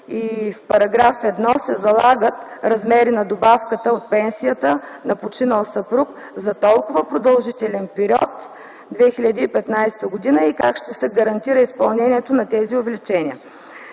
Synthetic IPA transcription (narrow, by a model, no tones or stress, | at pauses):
ifpɐɾɐɡɾafɛd̪nɔsɛzɐlˠaɡət̪ɾɐzmɛɾinɐd̪obafkət̪əot̪̚pɛnsijət̪ənɐpot͡ʃinəlˠsɐpɾuk | zɐt̪ɔlˠkʊvəpɾod̪ɐlˠʒit̪ɛlɛnpɛɾʲjɔ̰t̪ | d̪vɛxilʲɐd̪iːpɛt̪najst̪əɡod̪inəikakʃt̪ɛsɛɡɐɾɐnt̪iɾəispɐlˠnɛnʲiɛt̪onɐt̪ɛziovɛlit͡ʃɛnʲiə